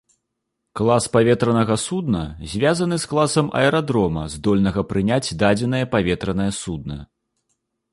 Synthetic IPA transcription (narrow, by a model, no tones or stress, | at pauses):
klˠaspavʲɛt̪ɾɐnɐɣɐsud̪nɐzʲvʲazɐnɨsklˠasɐmʔɐ̰ɛɾad̪ɾɔmɐzd̪ɔlʲnɐɣɐpɾɨnʲat͡sʲd̪ad͡zʲɛn̪ɐjɐpavʲɛt̪ɾɐnɐjɐsud̪̚nɐ